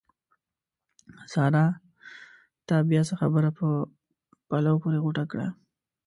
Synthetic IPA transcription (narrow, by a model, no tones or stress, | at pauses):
sɑɾɑ | t̪ɑbjasəxa̰bəɾapə | palawopoɾeɣuʈakɽa̰